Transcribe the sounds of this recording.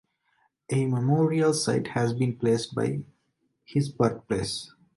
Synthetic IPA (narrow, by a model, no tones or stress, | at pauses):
ʔememoːɾiəlsaɪʈhæzbĩːnpleːsʈ̚ba̰ɪ | hɪzbəɾt̪̚pleːs